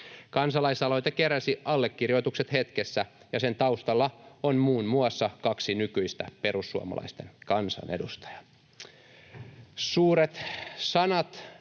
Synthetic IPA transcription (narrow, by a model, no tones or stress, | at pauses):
kɑnsɑlɑisɑlojt̪ɑkeɾæsiɑlːekːirjo̞jt̪ukset̪het̪kesːæ | jɑse̞nt̪ɑust̪ɑlːɑonmuːnmuɑsːɑkɑksinykyist̪æ̰pe̞rusːuɑ̰mɑ̰lɑ̰ist̪e̞nkɑnsɑ̰nʔḛdust̪ɑ̥jɑ̥ | suːɾet̪sɑnɑt̪